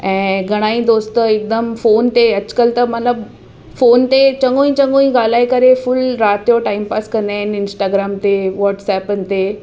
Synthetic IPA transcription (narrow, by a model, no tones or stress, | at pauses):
ɛ̃ːɡʱɐɽ̃aːĩd̪oːst̪ɪk̚d̪əmfoːnt̪eɐd͡ʑ̥kəlt̪ɐmɐnləb | foːnt̪et͡ɕɐ̃ŋɡoːĩt͡ɕɐ̃ŋɡõːĩɡaːl̤aːikɐɾefʊlɾaːt̪joʈaːɪmpaːskɐ̃nd̪aːɪnɪnsʈaːɡɾaːmt̪eʋɔːʈsɛːpənɪ̆t̪e